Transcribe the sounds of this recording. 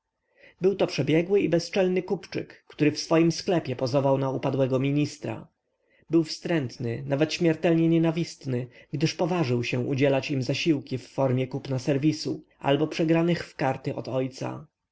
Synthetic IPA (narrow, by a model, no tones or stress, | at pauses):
bɘwt̪ɔpʂɛbʲjɛɡwɘibɛst͡ʂɛlnɘkupt͡ʂɘ̰kːt̪uɾɘfsfɔjimsklɛpʲɛpɔzɔvawnaupad̪wɛɡɔmʲiɲist̪ɾa̰ | bɘwfst̪ɾɛnt̪nɘnavɛt̪ɕmʲjɛɾt̪ɛlɲɛɲɛnavʲist̪nɘɡd̪ɘʂpɔvaʐɘwɕɛ̃ʔud͡ʑɛlat͡ɕimzaɕiwkʲifːɔɾmʲjɛkupnasɛɾvʲisuʔa̰lbɔpʂɛɡɾanɘxfkaɾt̪ɘʔɔ̰t̪ɔjt̪sa̰